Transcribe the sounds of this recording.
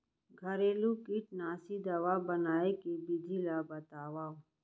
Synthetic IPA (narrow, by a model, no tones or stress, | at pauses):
ɡʱəɾeːlukiʈ̚naːsid̪ɐʋabənaːekebɪd͡ʒʱilabət̪aːʋaː